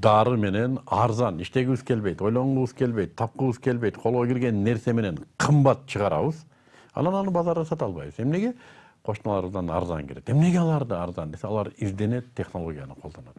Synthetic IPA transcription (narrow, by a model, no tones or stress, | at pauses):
d̪ɑɾɯme̞ne̞nɑɾzɑniʃt̪e̞ɡʲiizkʲʰe̞lbe̞jt̪o̞jlˠo̞ɴʁuβəz̥kʰe̞lbejt̪̚t̪ʰːɑp̚qəβəzkʲʰe̞lbe̞jt̪qʰo̞lˠʁoɡʲiɾɡʲe̞nːe̞ɾse̞me̞ne̞ɴqʰɯmbɑt̪̚t͡ʃʰəʁɑɾɑ̰βəz | ɑ̰nɑnonəbɑzɑɾɯsɑt̪ɑlˠβɑ̰jβɨze̞mne̞ɡʲe̞ | qʰo̞ʃmɑlˠɑɾβəzd̪ɑnɑ̰ɾzɑ̰ŋkʲʰeɾe̞t̪e̞mne̞ɡʲe̞ɑlˠɑɾd̪ɯɑɾzɑnd̪e̞seɑlˠɑɾizd̪e̞ne̞t̪ʰːe̞χno̞lˠo̞ɡʲijɑnɨqʰolˠd̪ɑnɑt̪